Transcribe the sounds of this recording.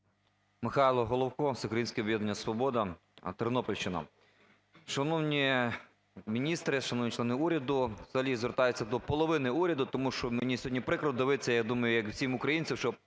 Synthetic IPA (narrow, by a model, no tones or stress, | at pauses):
mɪxɑjlˠɔɦɔlˠɔwkɔt̪ɛʊkɾɐjinʲsʲkʲɛɔbʲjɛd̪nenʲːɐsʋɔbɔd̪ɐ | t̪ɐɾnɔpɔlʲʃt͡ʃɪnɐ̰ | ʃɐnɔwnʲi | mʲinʲist̪ɾɪʃɐnɔwnʲit͡ʃlˠɛnɪuɾʲɐd̪ʊʋzɐɦɐlʲizʋerɾt̪ɑjʊtʲt͡sʲːɐd̪ɔpɔlˠɔʋɪnɪuɾʲɐd̪ʊt̪ɔmuʃt͡ʃɔmenʲisʲɦɔdʲnʲipɾɪkɾɔd̪ɪʋɪt͡sʲːɐjad̪umɐjʊjɐkw̥sʲimʊkɾɐjinʲt͡sʲɐwʃt͡ʃɔ